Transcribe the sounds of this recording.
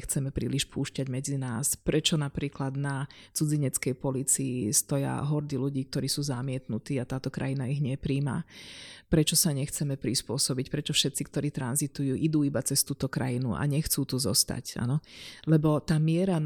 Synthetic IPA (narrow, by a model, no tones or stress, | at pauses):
xt͡sɛmɛpɾḭːliʃpʰuːʃcaɟmɛd͡zinaːspɾɛt͡ʃɔnapɾiːklad̪nat͡sud͡ziɲɛt͡skɛjpɔliːt͡siist̪ɔja̰ɦɔɾd̪iluɟiːk̚t̪ɔɾiːsuːzamɪɛt̪nut̪iːat̪aːt̪ɔkɾa̰jinaiɣɲɛpɾiːma̰pɾɛt͡ʃɔsaɲɛxt͡sɛmɛpɾispʊɔsɔbicpɾɛt͡ʃɔfʃɛt̪t͡sikt̪ɔɾiːt̪ɾanzit̪ujuːʔid̪uːibat͡sɛst̪uːt̪ɔkɾa̰jinṵʔa̰ɲɛxt͡suːt̪uzɔ̰st̪a̰ca̰nɔlɛbɔt̪aːmɪɛɾa